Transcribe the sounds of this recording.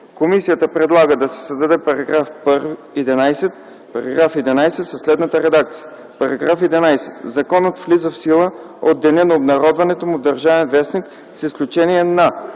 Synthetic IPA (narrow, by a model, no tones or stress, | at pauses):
komisijət̪əpɾɛd̪lˠaɡəd̪ɐsɛ̥sɐzd̪ɐd̪ɛpɐɾɐɡɾafpəɾvi | ɛd̪ɛnajsɛt̪ | pɐɾɐɡɾafɛd̪ɛnajsɛt̪sɐslɛd̪nət̪əɾɛd̪ak̚t̪sijə | pɐɾɐɡɾafɛd̪ɛnajsɛt̪zɐkɔnət̪flizəfsilˠə | od̪ːɛnʲɛnɐobnɐɾɔd̪vɐnɛt̪omʊvd̪ɐɾʒavɛnvɛsnik | sisklʲut͡ʃɛniɛna